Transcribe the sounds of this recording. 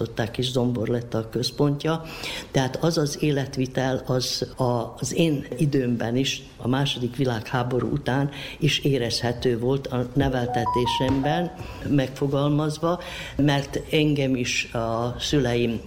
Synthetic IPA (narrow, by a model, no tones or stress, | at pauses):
o̞t̪ːaːkeːʒzo̞mbo̞rlɛt̪ːɒkø̞spo̞ɲcɒt̪ɛɦaːt̪ɒzɒzeːlɛt̪ʋit̪ɛlɒzɒzeːnid̪øːmbɛniʃ | ɒ̰maːʃo̞d̪ikʋilaːkhaːbo̞ɾṵʔut̪aːniʃeːɾɛshɛt̪øːvo̞lt̪ɒnɛvɛlt̪ɛt̪eːʃɛmbɛn | mɛkfo̞ɡɒlmɒzʋɒ | mɛrt̪ɛŋɡɛmiʃɒsylɛjim